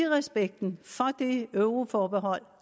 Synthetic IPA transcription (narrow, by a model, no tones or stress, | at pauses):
ʁɛsb̥eɡ̥̚d̥n̩fɒ̽d̥e̝øʊʁo̝fɒːb̥eɦɒ̽l̰